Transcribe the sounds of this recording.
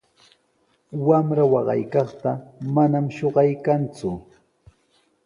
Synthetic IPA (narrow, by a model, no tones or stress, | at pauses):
wamɾawɑɢɑ̰jkɑχt̪amanamʃoɢɑjkant͡sʊ